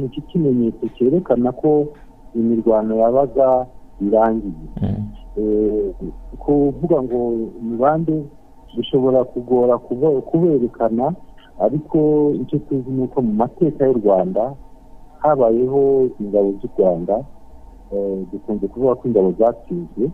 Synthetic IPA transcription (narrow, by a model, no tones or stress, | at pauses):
nit͡ʃikime̞ɲe̞ːt͡so̞ce̞ːɾe̞kanakʰo̞ | imiɾɡwaːno̞jaβaɡaiɾaːŋɡije | kʰuvuɡaŋɡo̞imiβaːnde̞ | duʃo̞βo̞ɾakuɡoɾakuβeɾe̞kʰanaː | ɾikʰo̞it͡ʃotizinuːko̞mumate̞ːkajoɾɡwaːndahaβaje̞ɦo̞iŋɡaβo̞zuɾɡwaːnda | dukuːnze̞kuvuɡakiːŋɡaβo̞zaːt͡siːzɡe̞